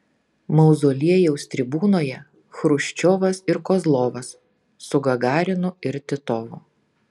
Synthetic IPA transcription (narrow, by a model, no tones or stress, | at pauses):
mɐʊzoːlʲiɛjɛʊsʲt̪ʲɾʲɪbuːnoːjɛ | xɾʊʃʲt͡ʃʲoːʋɐsɪɾkɔːzlˠoːʋɐs | sʊɡɐɡɑːɾʲɪnʊɪɾt̪ʲɪt̪oːʋʊ̰